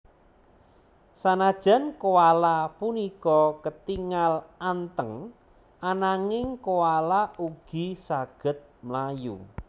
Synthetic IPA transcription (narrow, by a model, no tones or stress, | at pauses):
sanad̥ʒ̥a̤nkoalapunikɔkət̪iŋalant̪əŋ | anaŋɪŋkowalauɡ̥i̤saɡ̥ə̤t̪̚məlajṵ